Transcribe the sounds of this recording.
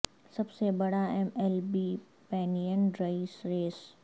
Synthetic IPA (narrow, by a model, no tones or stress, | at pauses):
sɐbsebɐɽaɛːmɛlbiː | pɛːnijənɖɾaisɾeːs